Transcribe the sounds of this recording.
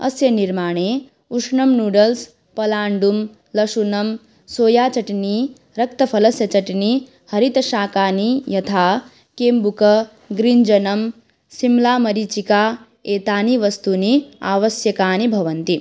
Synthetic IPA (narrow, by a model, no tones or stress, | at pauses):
ɐ̰sjɐniɾmaːɳeː | uʂɳɐmnuːɖɐls | pɐlaːɳɖum | lɐʂunɐm | soːjaːt͡ʃɐʈini | ɾɐk̚t̪ɐpʰɐlɐsjɐt͡ʃɐʈini | hɐɾit̪ɐʃaːkaːnijɐt̪ʰaː | keːmbukɐ | ɡɾind͡ʒɐnɐm | simlaːmɐɾit͡ʃikaː | eːt̪aːniʋɐst̪unia̰ːʋɐsjɐkaːnibʱɐʋɐnt̪i